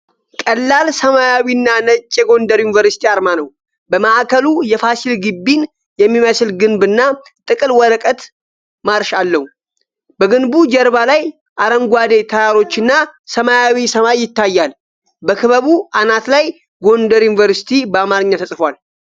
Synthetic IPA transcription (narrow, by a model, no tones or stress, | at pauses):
kʼəlːalsəmajawinːanət͡ʃʼːɛɡo̞nd̪əɾjunivəɾsi̥t̪ʰiaɾmanəw | bəmaʔakʰəlujɛfasilɡɨbːin | jɛmːiməslɡɨnbɨnːa | t̪ʼɨkʼɨlwɔɾəkʼət̪ | maɾʃalːəhu | bəɡɨnbud͡ʒɛɾβalaj | ʔaɾəŋɡʷad̪e̞t̪ʰəjaɾo̞t͡ʃːɨnːasəmajawisəmajːɪt̪ːajːal | bəkʰɨβəβuanat̪laj | ɡo̞nd̪əɾjunivəɾsi̥t̪ʰibəamaɾɨɲːat̪ʰəsʼfwal